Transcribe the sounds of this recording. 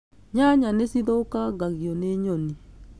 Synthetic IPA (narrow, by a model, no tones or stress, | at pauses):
ɲaɲanesiðɔokaɡaɣjɔneɲɔni